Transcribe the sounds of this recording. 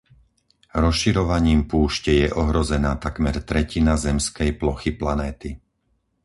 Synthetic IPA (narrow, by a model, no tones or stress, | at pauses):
ɾɔsʃiɾɔʋaɲiːmpuːʃcɛjɛʔɔɦɾɔzɛnaːt̪akmɛɾt̪ɾɛcinazɛmskɛjplɔxiplanɛːt̪i